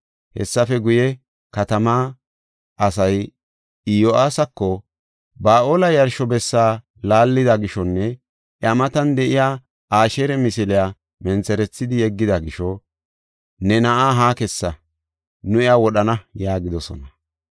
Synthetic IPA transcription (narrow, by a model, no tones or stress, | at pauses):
hɛ̰sːɐfɛɡʊjɛ | kɐt̪ɐma | ɐsɐj | ɪjoʔaːsɐkːɔ | baːʔoːlɐjɐɾʃɔbɛsːaː | laːlːɪd̪ɐɡɪʃɔnːɛ | ʔjɐmɐt̪ɐnd̪ɛʔɪjaː | aːʃeɾɛmɪsɪlɪjaː | mɛnt͡sɛɾɛt͡sːɪd̪ɪjɛɡːɪd̪ɐɡɪʃɔ | nɛnɐʔaːɦaːkɛsːɐ | nʊɪawɔɗɐnɐjaːɡɪd̪ɔsɔ̰nɐ